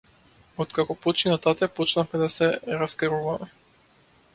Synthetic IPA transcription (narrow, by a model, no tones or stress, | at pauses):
ɔt̪kakɔpɔt͡ʃinat̪at̪ɛpɔt͡ʃnafmɛd̪asɛɾaskɛɾuvamɛ